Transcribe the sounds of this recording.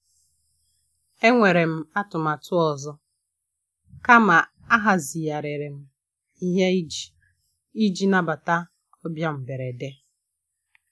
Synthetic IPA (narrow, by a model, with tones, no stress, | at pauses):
e˦ŋʷe˨ɾe˨m̩˦˨a˦tʊ˨ma˨tʊ˦ɔ˨zɔ˦ | ka˦ma˨ | a˦ɦa˨zi˨ja˨ɾe˨ɾe˨m̩˨ | i˦ɦe˦i˦d͡ʒi˨ | i˦d͡ʒi˦na˦ba˨ta˦ | ɔ˦bja˦m̩˨be˨ɾe˨de˦